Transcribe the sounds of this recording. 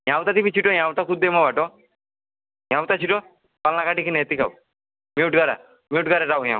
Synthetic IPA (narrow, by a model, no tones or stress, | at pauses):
j̃ãwt̪at̪ibit͡ʃʰiʈɔj̃ãwt̪akud̪demɔbaʈɔ | j̃ãwt̪at͡ʃʰiʈɔ | palnakaʈikinet̪ika̰w | miuʈɡaɾa̰ | miuʈɡaɾɛɾawjã̰w